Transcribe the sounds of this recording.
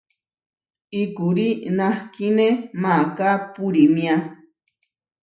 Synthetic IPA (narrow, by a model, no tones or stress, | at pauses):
ikuɾinãhkinemakapuɾimĩa